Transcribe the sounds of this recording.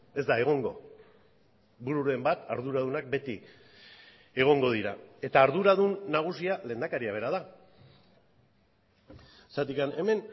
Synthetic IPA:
e̞zd̪ae̞ɣ̞o̞ŋɡo̞̰ | buɾuɾe̞mbat̪a̰ɾðuɾað̞unak̚be̞t̪i | e̞ɣ̞o̞ŋɡo̞ð̞iɾa̰e̞t̪aːɾðuɾaðunːaɣ̞usiale̞ːnd̪akaɾiaβ̞e̞ɾað̞a | sat̪ikane̞me̞n

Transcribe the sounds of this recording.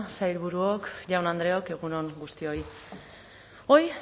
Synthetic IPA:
sajɾβuɾuokʝawnand̪ɾe̞o̞ke̞ɣuno̞ŋɡust̪io̞j | o̞j

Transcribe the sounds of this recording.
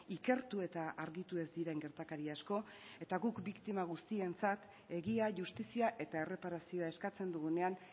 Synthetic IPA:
ike̞ɾt̪ue̞t̪aʔaɾɣit̪ue̞zd̪iɾe̞ŋɡe̞ɾt̪akaɾiasko̞e̞t̪aɣukbikt̪imaɣ̞ust̪ie̞nt͡sat̪ | e̞ɣiaʝust̪isiaʔe̞t̪ae̞re̞paɾasio̞ae̞skat͡se̞nd̪uɣune̞an

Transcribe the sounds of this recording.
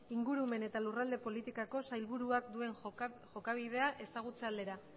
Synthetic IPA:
iŋɡuɾume̞ne̞t̪alurald̪e̞po̞lit̪ikako̞sajlβuɾuakd̪ue̞ŋʝo̞kaβ̞ið̞e̞aʔe̞saɣ̞ut͡seald̪e̞ɾa

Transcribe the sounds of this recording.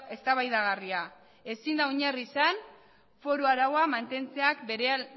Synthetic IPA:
e̞st̪aβajðaɣ̞aria | e̞sind̪aoɲarisan | fo̞ɾuaɾawamant̪e̞nt͡se̞akbeɾe

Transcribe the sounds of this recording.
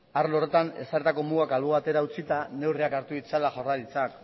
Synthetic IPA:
aɾlore̞t̪ane̞saɾet̪ako̞muɣakalβuβat̪e̞ɾaut͡sit̪ane̞wriakaɾt̪uðit͡salaʝoralit͡sak

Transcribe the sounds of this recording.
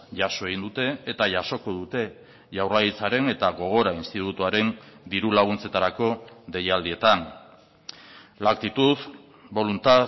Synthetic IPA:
ʝaso̞e̞ɣind̪ut̪e̞ːt̪aʝaso̞ko̞ðut̪e̞ | ʝawraɣit͡saɾe̞ne̞t̪aɣo̞ɣ̞o̞ɾainst̪it̪ut̪uaɾe̞nd̪iɾulaɣ̞unt͡se̞t̪aɾako̞ðe̞jald̪ie̞t̪an | lakt̪it̪uð | bo̞lunt̪a

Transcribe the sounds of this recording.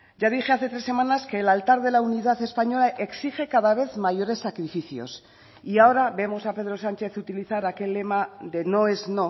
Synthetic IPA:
ʝað̞ixe̞aθe̞t̪ɾe̞sːe̞manaske̞ːlalt̪aɾðe̞launiðaθe̞spaɲo̞laʔe̞ksixe̞kaðaβ̞e̞θmaʝo̞ɾe̞sːakɾifiθjo̞̰s | iao̞ɾaβe̞mo̞sape̞ð̞ɾo̞sant͡ʃe̞θut̪iliθaɾake̞lːe̞maðe̞no̞ezno̞

